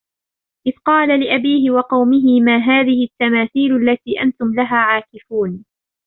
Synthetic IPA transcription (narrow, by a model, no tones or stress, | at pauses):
ʔɪðqɑːlalɪʔabiːɦɪwɑqɑwmɪɦɪmaːɦaːðɪhɪt̪ːamaːθiːlʔalːat̪iːʔant̪ʊmlaɦaːʕaːkɪfuːn